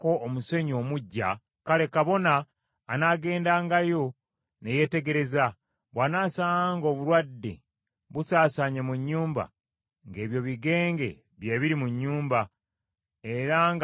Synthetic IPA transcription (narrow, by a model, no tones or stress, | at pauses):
koːmuse̞ɲo̞muɟːa̰ | kale̞kaβo̞naː | naɡe̞ːndaːŋɡajo̞ | neje̞te̞ɡe̞ɾe̞za | βwaːnaːsaaŋɡo̞ːβuɾwadːḛ | βusaːsaːɲemuɲːuːmba̰ | ŋɡe̞ːβjo̞βiɡe̞ːŋɡe̞̰ | βjeːβiɾimuɲːuːmba | e̞ɾaŋɡ